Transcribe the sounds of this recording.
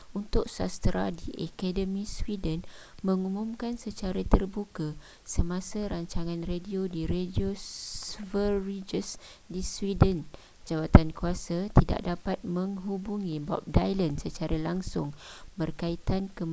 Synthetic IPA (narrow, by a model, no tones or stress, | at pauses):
unt̪ʊk̚sa̰st̪əɾa̰diʔakadəmĩswidən | mə̃ŋumũmkansət͡ʃaɾat̪ərbuka | səmasaɾaɲt͡ʃaŋãnrediodiɾedio | vəɾid͡ʒəs | diswidən | d͡ʒawat̪ankuasat̪ida̰ʔdapat̪̚mə̃ŋɦubuŋĩbɔ̰p̚dajlənsət͡ʃaɾalaŋsʊŋbərkait̪ankə